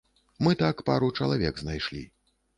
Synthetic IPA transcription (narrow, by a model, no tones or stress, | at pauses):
mɨt̪akpaɾut͡ʂɐlˠavʲɛɡznajʂlʲḭ